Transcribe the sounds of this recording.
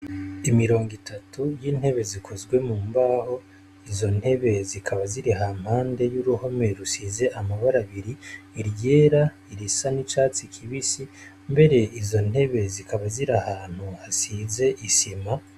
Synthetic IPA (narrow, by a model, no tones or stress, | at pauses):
imiɾo̞ːŋɡitʰatujiːn̥he̞βe̞zikʰo̞zɡwe̞muːmbaːho̞ | izo̞n̥he̞βe̞zikʰaβaziɾiɦam̥haːnde̞juɾuho̞me̞ɾusiːze̞ʔamaβaɾaβiɾiːɾje̞ːɾa | iɾisanit͡ʃaːt͡sikʰiβisi | mbe̞ɾe̞ʔizo̞n̥he̞βe̞zikaβaziɾahaːn̥huasize̞ʔisima